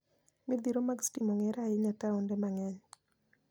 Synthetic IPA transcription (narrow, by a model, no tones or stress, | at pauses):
mid̪iɾomaɡstimɔŋɛɾaɪɲataondɛmaŋɛɲ